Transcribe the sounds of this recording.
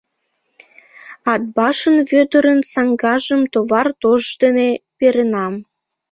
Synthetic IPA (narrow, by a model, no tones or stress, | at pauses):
ɑd̪̚bɑʃənβød̪ə̆ɾə̆nsɑŋɡɑʒəmt̪oβɑrt̪oʒd̪enepeɾenɑm